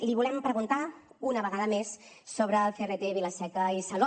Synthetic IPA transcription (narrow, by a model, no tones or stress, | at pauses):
liβ̞ulɛmpɾəɣunt̪aunəβəɣaðəmesː | oβɾəːlˠferet̪eβiləsɛkəisəlɔ